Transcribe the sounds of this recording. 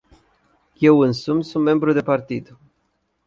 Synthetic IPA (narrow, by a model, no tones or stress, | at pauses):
je̞wɨnsumsunt̪me̞mbɾud̪e̞part̪id̪̥